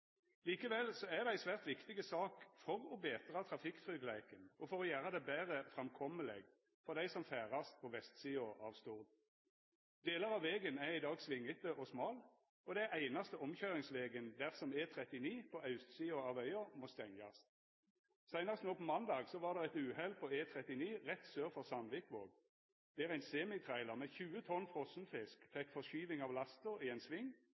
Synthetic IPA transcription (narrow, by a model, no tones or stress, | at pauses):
liːkəʋɛlsɔæʁd̪ɛæɪsʋæːʁt̪ʋɪkt̪ɪɡəsɑːkfɔʁɔbeːt̪əʁɑt̪ʰʁɑfɪkt̪ʁʏɡlæɪkənɔfɔʁɔjæːʁəd̪ɛbæːʁəfʁɛmkʰɔməlɛɡ | fɔʁd̪æɪsɔmfæːʁɑst̪pʰɔʋɛst̪siːɔʔɑ̰ːʋst̪uʁd̪ | d̪eːləʁɑʋʋɛːɡənæʁɪd̪ɑːɡsʋɪŋːət̪əʔɔsmɑːl | ɔd̪ɛæʔæɪnɑst̪əɔmçøʏʁɪŋsʋeːɡənd̪æʁsɔmeːt̪ʰʁɛt̪ɪniːpʰɔɑʉst̪siːʊɑːʋœʏəmoːst̪ɛŋɑ̰s | sæɪnəʁəst̪noːpʰɔmɑnd̪ɑːɡsɔʋɑːʁd̪ɛʁɛt̪ʉːhɛlpʰɔeːt̪ʰʁɛt̪ɪniːʁɛt̪søːʁfɔʁsɑnʋɪkʋo̰ːɡ | d̪̥ɛæːʁæɪnseːmɪt̪ʰʁæɪləʁmɛːçʉːət̪ʰɔnfʁɔsnfɪskfɛkfɔʃyːʋɪŋɑːʋlɑst̪əʁiːɛnsʋɪŋː